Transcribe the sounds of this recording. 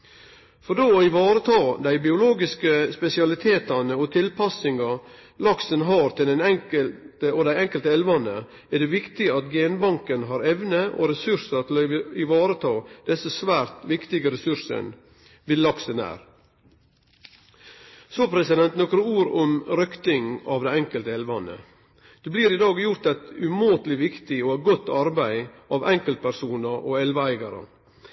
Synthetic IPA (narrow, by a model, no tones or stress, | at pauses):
fɔɾɖ̪oːoɪʋɑːɾət̪ʰɑːd̪æɪbɪʊloːɡɪskəspɛsɪɑlɪt̪ʰeːt̪ɑnəɔt̪ʰɪlpʰɑsɪŋɑ | lɑksənɦɑːɾt̪ʰɪld̪ɛnɛŋkəlt̪əɔd̪æɪɛŋkəlt̪əɛlʋɑnə | æɖ̪ɛʋɪkt̪ɪəɑt̪ɡeːnbɑŋkənɦɑɾɛʋnəʔo̰ɾɛsʉɾsəɾt̪ʰɪlɪʋɑːɾət̪ʰɑːd̪̥ɛsːəsʋæːɾt̪ʋɪkt̪ɪɡəɾɛsʉɾsə̰n | ʋɪlːɑksənæ̰ːɾ | soːpʰɾɛsɪd̪ɛnt̪nɔkɾəuːɾɔmɾœkt̪ɪŋɑːʋd̪æɪɛŋkəlt̪əɛlʋɑnə̰ | d̪̥ɛbliːɾɪd̪ɑːɡjʊɾt̪æɪt̪ʉmoːt̪lɪʋɪkt̪ɪoæɡɔt̪ːɑɾbæɪʔɑːʋɛŋkəlt̪̚pʰæɾsuːnəɾʔo̰ɛlʋəæɪɡɑɾə̰